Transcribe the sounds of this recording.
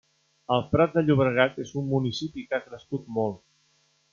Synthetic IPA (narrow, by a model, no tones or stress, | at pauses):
əlˠfɾat̪̚d̪əʎuβɾəɣ̞at̪ezumːunisipikakɾəskut̪̚molˠt̪